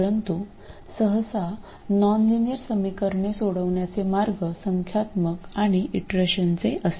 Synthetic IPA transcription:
ɾənt̪u | səɦəsa | nɔnlinijəɾsəmikəɾɳesoɽəʋɳjat͡semaɾɡʱəsəŋkʰjat̪məkaɽ̃iʔiʈɾəɕənt͡seʔəs

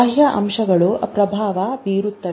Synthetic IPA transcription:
ɦjɐʔɐ̰mʂɐɡɐɭupɾɐbʱaːʋɐbiːɾut̪ːɐ

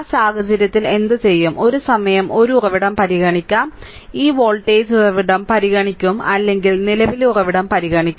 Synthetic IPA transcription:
saːɣɐd͡ʑɐɾjɐt̪ːile̞nd̪ɨt͡ɕe̞jːumʔo̞ɾusɐmɐjɐmʔo̞ɾuurɐʋiɽɐmpɐɾiɣɐɳikʲːaːm | iːʋoːɭʈeːd͡ʑurɐʋiɽɐmpɐɾiɣɐɳikʲːumɐlːe̞ŋɡilnilɐʋilurɐʋiɽɐmpɐɾiɣɐɳikʲːu

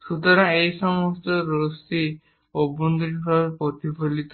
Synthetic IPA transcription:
sut̪ɔɾaejsɔmɔstɔɾosi | obond̪unɦɔaɾpɔt̪ibʱolit̪

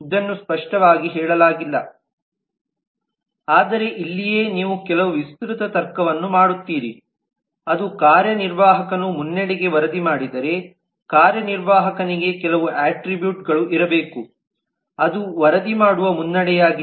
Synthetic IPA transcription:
id̪ɐnːuspɐʂʈɐʋaːɡiɦɛːɭɐlaːɡilːɐ | aːd̪ɐɾe̞ʔilːije̞ːniːʋukɛlɐʋuʋist̪ɾut̪ɐt̪ɐɾkːɐʋɐnːumaːɽut̪ːiːɾi | ɐd̪ukaːɾjɐniɾʋaːɦɐkɐnumunːɛɽiɡe̞ʋɐɾɐd̪imaːɽid̪ɐɾe̞ | kaːɾjɐniɾʋaːɦɐkɐniɡe̞kɛlɐʋuʔaːʈɾibjuːʈɡɐɭuʔiɾɐbeːku | ɐd̪uʋɐɾɐd̪imaːɽuʋɐmunːɐɽɛjaːɡi

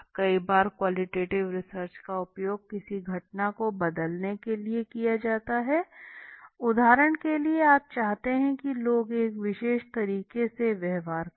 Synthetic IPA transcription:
kɐibaːɾkwaːlɪʈeːʈɪʋɾɪsəɾt͡ʃkaʊpjoːɡ̚kɪsiɡʱɐʈnakobɐd̪əlnekeliekijad͡ʒaːt̪aɦɛ | ʊd̪ʱaːɾəɳ̃kelieaːp̚t͡ʃaːɦt̪eɦɛ̃kiloːɡeːkʋɪʃeːʃt̪ɐɾiːkeseʋɛɦʋaːɾ

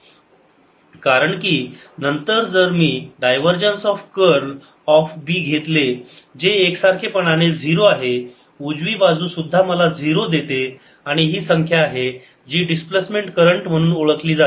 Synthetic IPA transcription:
kaɾəɳkiː | nənt̪əɾd͡zəɾmiːɖajʋəɾd͡ʑənsɔfkəɾl | ɔfbiːɡʱet̪le | d͡ʑeːksaɾkʰepəɳ̃añed͡zʱiɾoaɦe | ud͡zʋiːbad͡zuːsud̪ʱːaməlad͡zʱiɾod̪et̪e | aɽ̃iɦiːsəŋkʰjaːɦe | d͡ʑiːɖisplesmeɳʈkəɾəɳʈm̤əɽ̃uːnoɭəkliːd͡zat̪e

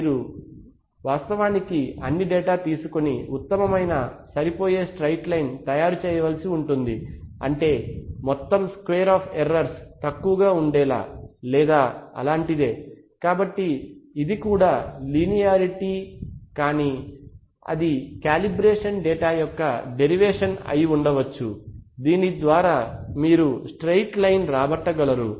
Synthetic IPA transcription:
ɾu | ʋaːst̪ɐʋaːnikiɐnːiɖɛːʈaːt̪iːsukoniut̪ːɐmɐmɐjnɐsɐɾipo̞ːjeːsʈɾɐjʈlɐjnt̪ɐjaːɾut͡ʃɛːjɐʋɐlɐsiuɳʈund̪iɐ̰ɳʈe̞ːmɔt̪ːɐmskʋeːɾaːpʰeɾɐɾst̪ɐkːuʋɐɡaːuɳɖɛːla̰ːlɛːd̪aːɐ̰laːɳʈid̪e̞ː | kaːbɐʈːiːd̪ikuːɽaːliːnijaːɾiʈiːkaːniː | ɐ̰d̪ikaːlibɾeːʂɐnɖɛːʈaːjɔkːɐɖe̞ɾiʋeːʂɐnɐ̰jiuɳɖɐʋɐt͡ʃːud̪iːnid̪ʋaːɾaːmiːɾusʈɾejʈlɐjnɾaːbɐʈːɐɡɐlɐɾu

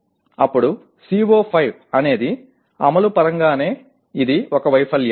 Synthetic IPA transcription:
ɐpːuɽu | siːʋoːpʰɐjʋ | ɐne̞ːd̪i | ɐmɐlupɐɾɐŋɡaːne̞ː | id̪iɔkɐʋɐjpʰɐlja

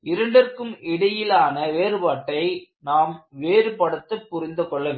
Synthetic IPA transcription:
ɪɾɐɳɖɐrkɯmɪɽɐjɪlaːnɐʋeːɾɯbaːʈːɐɪnaːmʋeːɾɯpɐɽɐt̪ːɐpːʊɾɪnd̪ɯkɔɭːɐʋe

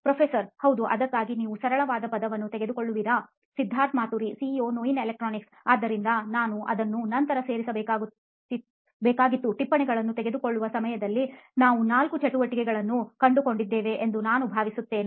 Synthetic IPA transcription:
pɾɐpʰeːsɐɾhɐwd̪uʔɐd̪ɐkːaːɡiniːʋusɐɾɐɭɐʋaːd̪ɐpɐd̪ɐʋɐnːut̪ɛɡe̞d̪uko̞ɭːuʋiːɾɐ | sid̪ʱːaːɾt̪maːt̪uɾisioːnoːinelek̚ʈɾoːniks | aːd̪ːɐɾind̪ɐnaːnuʔɐ̰d̪ɐnːunɐnt̪ɐɾɐse̞ːɾisɐbɛːkaːɡu | i | bɛːkaːɡit̪ːuʈipːɐɳɛɡɐɭɐnːut̪ɛɡed̪uko̞ɭːuʋɐsɐmɐjɐd̪ɐlːinaːʋunaːlkut͡ʃɐʈuʋɐʈikɛɡɐɭɐnːukɐɳɖuko̞ɳɖid̪ːeːʋe̞ʔend̪unaːnubʱaːʋisut̪ːe̞ːn

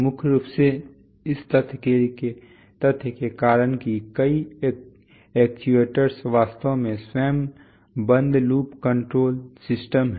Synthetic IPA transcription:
mʊkʰɾuːpse | ɪst̪ət̪ʰkeke | t̪ɐt̪ʰkekaːɾənkikəi | eːkʈiʋeːʈəɾsʋaːst̪əomẽsɛːm | bə̃nd̪ʱluːpkə̃ɳʈɾoːlsɪsʈəmɦ

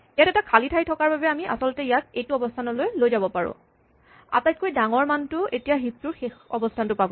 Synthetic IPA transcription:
ijatɛtakʰalitʰajtʰɔkaɹbabɛamiʔa̰sɔlʊtɛijakejtuɔbɔstʰanɔlojlojzabɔpaɹʊ̰̃ | a̰tajt̚kojdaŋɔɹmantʊetijaɦip̚tuɹxexɔ̰bɔstʰantʊpabɔ

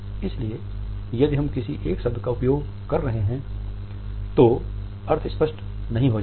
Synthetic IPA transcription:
ɪslie | jɐd̪iɦɐmkɪsiʔeːksɐbd̪ʱkaʊpjoːɡ | kɐɾːɐɦeɦɛ̃ | t̪o | ɐɾt̪ʰɪspɐʃʈ | nɐɦĩɦo

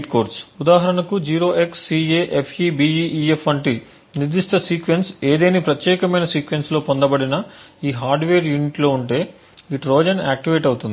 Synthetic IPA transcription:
ʈkoːɾsud̪aːɦɐɾɐɳɐkud͡ʒiːɾo̞ːʔe̞ksːiːeːʔepʰibiiːʔiepɐɳʈi | niɾd̪iʂʈ̪ɐsiːkʋense̞ːd̪eːnipɾɐt̪jɛːkɐmɐjnɐsiːkʋensloːpond̪ɐbɐɽinɐiːɦaːɾɖʋeːɾjuːniʈlo̞ːuɳʈe̞ː | iʈɾoːd͡ʒɐnaːk̚ʈiʋe̞ːʈɐwut̪und̪i

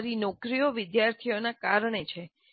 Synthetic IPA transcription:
ɾinɔkɾijoʋɪd̪jaɾt̪ʰionakaɾɳet͡ʃʰe

